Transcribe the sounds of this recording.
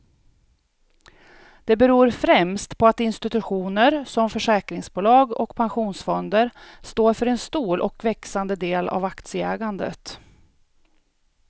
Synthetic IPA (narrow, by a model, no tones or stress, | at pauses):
d̪̥ɛbɛɾuːɾfɾɛmst̪pʰɔat̪ɪnst̪ɪt̪ɵɧuːnəɾsɔmfœʂɛːkɾɪŋsbuːlɑːɡɔkpʰanɧuːnsfɔnd̪əɾst̪oːɾfœɾɛnst̪uːlʔɔ̰kvɛksand̪əd̪eːla̰vakt̪sɪɛːɡand̪ə̰t̪